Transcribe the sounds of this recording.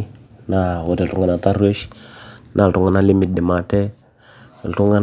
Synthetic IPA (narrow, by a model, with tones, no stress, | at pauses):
na˦˨wo˨de˨ltu˦ŋɡa˨na˨ta˦ɾe˦ʃ | nʔa˨ltu˦ŋa˨na˦li˦mi˨t̚di˨ma˨te˦˨ | ltu˦ŋɡa˦